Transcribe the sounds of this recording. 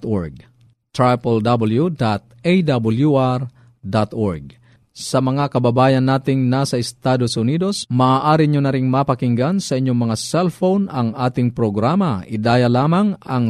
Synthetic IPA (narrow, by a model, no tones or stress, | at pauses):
t̪ʔoɹɡ̚ | t̪ɾajpɛld̪abɐljud̪at̪̚ejd̪abʊljuʔaɾ | d̪at̪oɹɡ̚ | sɐmɐŋakɐbɐbaːjɐnːaːt̪ɪŋnasɐɪst̪aːd̪osʊniːd̪o̞smaaːʔaːɾiɲonɐɾɪŋmapɐkɪŋɡansɐʔɪɲːoŋmɐŋasɛlfownɐŋaːt̪ɪŋpɾoɡɾaːmɐʔɪd̪aːjɐlaːmɐŋɐŋ